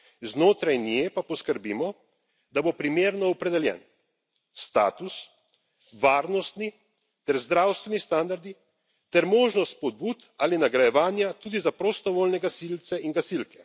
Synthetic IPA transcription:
znoːt̪ɾajnjepapɔskəɾbiːmɔ | d̪abopɾimeːɾnɔɔpɾɛd̪ɛljɛ̰ːn | st̪a̰ːt̪us | ʋaːɾnɔst̪ni | t̪ɛɾzd̪ɾaːwst̪ʋɛnist̪and̪aɾd̪i | t̪ɛɾmoːʒnɔst̪pɔd̪̚buːt̪alinaɡɾajɛʋaːnjat̪uːd̪izapɾɔst̪ɔʋoːlnɛɡasilt̪sɛiŋɡasilkɛ

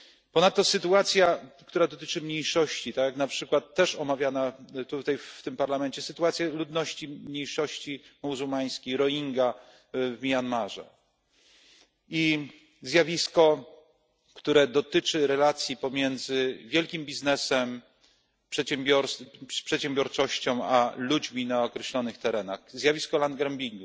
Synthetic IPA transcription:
pɔnat̪ːɔsɘt̪uat̪sʲjakt̪uɾad̪ɔt̪ɘt͡ʂɘmɲejʂɔɕt͡ɕit̪akjaknapʂɘkwat̪ːɛʂɔmavʲjanat̪ut̪ajft̪ɘmpaɾlamɛnt͡ɕɛsɘt̪uat̪sʲjalud̪nɔɕt͡ɕimɲejʂɔɕt͡ɕimuzumaj̃skʲejɾɔiŋɡa | vmʲianmaʐɛ̰ | i | zjavʲiskɔ | kt̪uɾɛd̪ɔt̪ɘt͡ʂɘɾɛlat̪sʲjipɔmʲjɛnd̪zɘvʲjɛlkʲimbʲiznɛsɛm | pʂɛt͡ɕɛmbʲɔɾspʂɛt̪ɕɛmbʲjɔɾt͡ʂɔɕt͡ɕɔ̃w̃alud͡ʑmʲinaɔkɾɛɕlɔnɘxt̪ɛɾɛnaxzʲjavʲiskɔland̪ɡɾɛmbʲiŋɡu

